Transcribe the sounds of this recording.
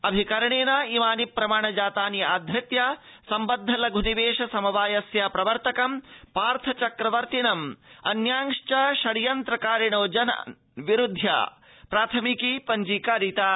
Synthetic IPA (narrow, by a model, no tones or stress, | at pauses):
ɐbʱikɐɾɐɳeːnaːimaːnipːɾɐmaːɳɐd͡ʒaːt̪aːnjɐaːd̪ʱjɐt̪jaː | sɐmbɐd̪ʱːɐlɐɡʱuniʋeːʂɐsɐmɐʋaːjɐsjaːpɾɐʋɐɾt̪ɐkɐmpaːɾt̪ʰɐt͡ʃɐkɾɐʋɐɾt̪inɐmɐ̰njaːŋʂt͡ʃɐʃɐɽijɐnt̪ɾɐkaːɾiɳoːd͡ʒɐnɐ̰ | ʋiɾud̪ʱːja̰ː | pɾaːt̪ʰɐmikipɐɲd͡ʒiːkaːɾit̪aː